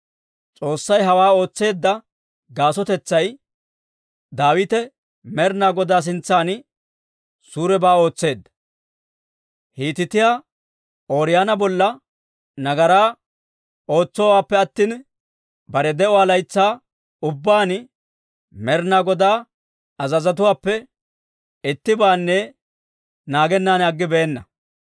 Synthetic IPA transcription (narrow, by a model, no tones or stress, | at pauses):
t͡sʼo̞ːsːɐjɦɐwaːo̞ːt͡sːe̞ːd̪ːɐ | ɡaːsɔt̪ɛt͡sːɐj | d̪aːwɪt̪ɛ | mɛɾnaːɡɔd̪aːs̬ɪnt͡sːaːnɪ | suːɾɛbaːo̞ːt͡sːe̞ːd̪ːɐ̥ | hiːt̪ɪt̪ɪjaː | o̞ːɾɪjaːnɐbɔlːɐ | nɐɡɐɾaː | o̞ːt͡sːɔwaːpːɛɐt̪ːiːn | bɐɾɛd̪ɛʔɔwaːlɐjt͡sːaː | ʊbːaːn | mɛɾnaːɡɔd̪aː | ɐzɐzɐt̪ʊwaːpːɛ | ɪt̪ːɪbaːnːɛ | naːɡɛnːaːnɐɡːɪbɛːnːɐ